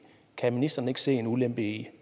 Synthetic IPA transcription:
kʰæminisd̥ɐnəe̝ɡ̥ə̥se̝̰ːe̝nulemb̥i

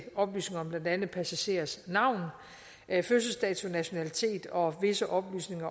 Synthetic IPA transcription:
ɒ̽b̥ly̰ːsne̝ŋɐɒ̽mb̥lænd̥ænð̩ˠpʰæsæɕe̝̰ːɐsnɑ̈ʊ̰n | føs̬əl̩sd̥ɛ̰ːt͡sʰunæɕo̝nælit͡sʰe̝̰ːd̥ɒ̽ʋe̝səʔɒ̽b̥ly̰ːsne̝ŋɐ

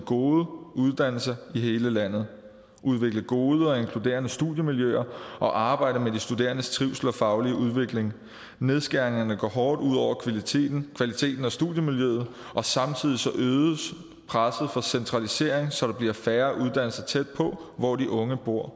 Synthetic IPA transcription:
ɡ̥o̝ːðˠəuð̞ˠd̥æn̰l̩sɐihe̝ːləlæn̰ð̞̩ˠ | ʔuð̞ˠʋe̝ɡ̥ləɡ̥o̝ːð̞ˠəɒ̽e̝ŋkʰlud̥e̝̰ːɐnəsd̥uðˠjəmiljø̰ɐʔɒ̽ʔɑ̈ːb̥ɑ̈ɪ̰ɾ̥əmedisd̥ud̥e̝̰ːɐnəst͡sʰʁiʊsl̩ɒ̽fɑ̈ʊliəʔuð̞ˠʋe̝ɡ̥leŋ | ne̝ðˠsɡ̥æɐeŋɐnəɡ̥ɒ̰ɦɒːd̥uð̞̰ˠɒ̰ʊ̰ɐkʰʋælit͡sʰe̝̰ːd̥n̩kʰʋælit͡sʰe̝̰ːd̥n̩ɒ̽sd̥ṵðˠjəmiljøð̞̩ˠ | ʔɒ̽sɑ̈mt͡sʰið̞̰ˠisɒ̽ʔøːð̩ˠəs | pʰʁasð̩ˠfɒ̽sent͡sʰʁɑ̈lise̝ɐ̰eŋsɒ̽d̥ɑ̈b̥liɐfæːɐʔuðˠd̥æn̰l̩sɐt͡sʰed̥̚pʰɒ̽ʋɒdiʔɔ̽ŋəb̥o̝ɐ̰

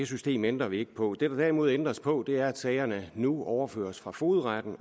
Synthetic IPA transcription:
esysd̥e̝̰ːmend̥ʁɐʋie̝ɡ̥ə̥pʰɒ̽d̥e̝d̥ɑ̈d̥æɐimo̝ð̞̰ˠend̥ʁɐspʰɒ̽d̥e̝æɐæd̥sɛɪɐnənuɒʊɐfø̰ːɐsfʁɑ̈fo̝ːð̞̩ˠʁad̥n̩

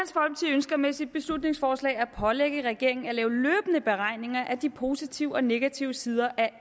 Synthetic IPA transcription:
ænsfɒ̽lb̥ət͡sʰiønsɡ̥ɐmesid̥̚b̥e̝slud̥ne̝ŋsfɒːslɛ̰ːɪæpʰɒ̽leɡ̥əʁɛɡ̥e̝ɐ̰e̝ŋn̩ælɛːʊløːb̥ənəb̥e̝ʁɑ̈ɪne̝ŋɐʔæd̥ipʰo̝ːsit͡sʰiʊ̰ɒ̽ne̝ɡ̥æt͡sʰiʊəsiːð̞ˠɐʔæ

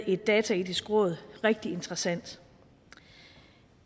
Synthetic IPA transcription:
e̝d̥ːɛːt͡sʰɛid̥isɡ̥ʁɔ̽ð̞̩ˠʁeɡ̥̚d̥ie̝nd̥ʁɐsæn̰d̥

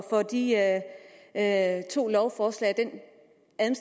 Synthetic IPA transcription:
fɒ̽d̥i | t͡sʰo̝̰ːlɒʊfɒːslɛ̰ɪd̥en | æðˠm̩s

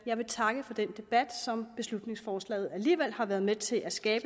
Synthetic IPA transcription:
jɑ̈ɪʋe̝t͡sʰɑ̈ɡ̥əfɒ̽d̥en̰d̥e̝b̥æd̥sɒ̽mb̥e̝slud̥ne̝ŋsfɒːslɛ̰ɪð̞̩ˠæliːʋel̰hɑ̈ʋæːɐð̞̩ˠmet͡sʰe̝lʔæsɡ̥ɛːb̥ə

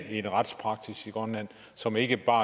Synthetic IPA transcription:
e̝nʁɑd̥spʰʁɑ̈ɡ̥d̥isiɡ̥ʁɒnlæn̰ | sɒ̽me̝ɡ̥əb̥ɑ̈ː

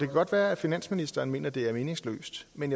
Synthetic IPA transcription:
d̥e̝kʰæɡ̥ɒ̽d̥ʋæːɐæfinæn̰sminisd̥ɐːn̩me̝̰ːnɐd̥e̝æɐme̝ːnɪ̝ŋslø̰ːsd̥menjɑ

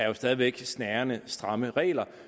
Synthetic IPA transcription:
æɐjo̝sd̥ɛð̞ˠiʋeɡ̥snæːɐnəsd̥ʁɑ̈məʁɛ̰ːlɐ

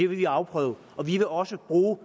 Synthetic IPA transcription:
eɐʋe̝ʋiɑ̈ʊpʰʁœːʊ | ʔɒ̽ʋiʋe̝ɒ̽səb̥ʁuː

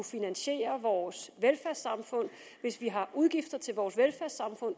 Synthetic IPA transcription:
ufinænɕe̝̰ːɐʋɒːsʋelfæɐ̰sɑ̈mfɔ̽n̰ | ʋe̝sʋiɦɑ̈ʔuð̞ˠɡ̥ifd̥ɐt͡sʰe̝lʋɒːsʋelfæɐsɑ̈mfɔ̽n̰

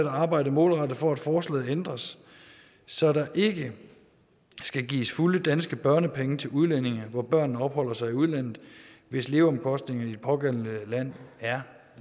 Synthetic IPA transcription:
eɾæɑ̈ːb̥ɑ̈ɪ̰dəmɔ̰̽ːlʁɑ̈d̥ð̩ˠfɒæd̥fɒːslɛ̰ːð̩ˠend̥ʁɐs | sɒ̽d̥ɑ̈ʔe̝ɡ̥ə | sɡ̥æɡ̥ḭːsfuləd̥ænsɡ̥əb̥ɶɐnəpʰeŋət͡sʰe̝luð̞ˠlen̰e̝ŋɐʋɒb̥ɶɐ̰nn̩ɒ̽b̥hɒ̽l̰ɐsɑ̈ɪiuð̞ˠlæn̰ð̩ˠʋe̝sle̝ːʊɒ̽mkʰɒ̽sd̥ne̝ŋɐn̩id̥e̥pʰɒ̽ɡ̥en̰n̩læn̰æɐ

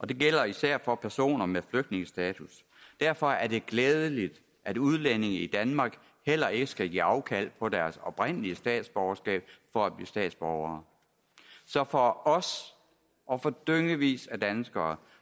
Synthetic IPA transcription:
ʔɒ̽d̥e̝ɡ̥el̰ɐisæɐ̰fɒ̽pʰæɐso̝̰ːnɐmefløɡ̥̚d̥ne̝ŋəsd̥ɛːt͡sʰus | d̥æɐ̰fɒ̽æɐd̥e̝ɡ̥leːðˠəlid̥ | ʔæd̥uð̞ˠlene̝ŋ̩id̥ænmɑ̈ːɡ̥ | hel̰ɐe̝ɡ̥əsɡ̥æɡ̥ḭːɑ̈ʊkʰæl̰pʰɒ̽d̥æɐsɒ̽b̥ʁen̰əliəsd̥ɛ̰ːd̥sb̥ɒʊɐsɡ̥ɛ̰ːb̥fɒ̽æb̥lḭːsd̥ɛ̰ːd̥sb̥ɒʊɐː | sɒ̽fɒɒ̽s | ʔɒ̽fɒ̽d̥øŋəʋḭːsæd̥ænsɡ̥ɐː

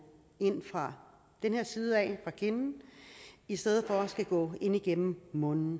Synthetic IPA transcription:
e̝n̰fʁɑ̈ | d̥enhe̝ɐ̰siːð̞ˠəɛːfʁɑ̈kʰe̝nn̩ | isd̥eð̩ˠfɒsɡ̥æɡ̥ɔ̰̽ːe̝n̰iɡ̥em̰m̩mɔ̽nn̩

